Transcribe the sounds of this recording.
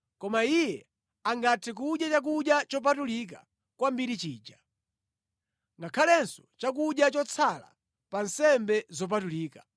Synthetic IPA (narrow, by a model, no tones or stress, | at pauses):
kɔmaijɛ | aŋɡatʰɛk̬uɗjat͡ʃak̬uɗjat͡ʃɔp̬atulika̰ | kwambiɾit͡ʃiːd͡ʒa | ŋɡakʰalɛnsɔ̥t͡ʃak̬uɗjat͡ʃɔt͡sʰala̰ | pansɛmbɛzɔp̬atuliːkḁ